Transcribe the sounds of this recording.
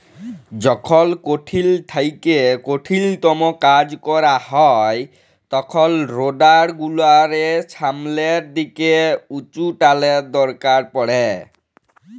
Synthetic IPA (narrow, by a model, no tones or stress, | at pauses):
d͡ʑɔkʰɔlkoʈʰilʈʰajkekoʈʰilt̪ɔmɔkad͡ʑkɔɾahɔj | t̪ɔkʰɔlɾoɖaɾɡulaɾesʰamleɾd̪ikeut͡ʃuʈaled̪ɔɾkaɾpɔɽɛ